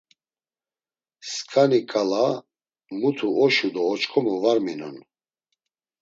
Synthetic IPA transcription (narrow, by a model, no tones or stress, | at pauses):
skʰʼanikʼala | mut̪ʰuɔʃud̪ɔːt͡ʃkʰʼɔmɔvaɾminɔ̰n